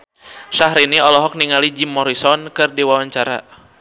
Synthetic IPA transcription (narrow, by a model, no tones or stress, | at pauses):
ʃaɦɾiniɔlɔɦɔk̚niŋalid͡ʒimɔɾisɔnkɨrdiwawaɲt͡ʃaɾa̰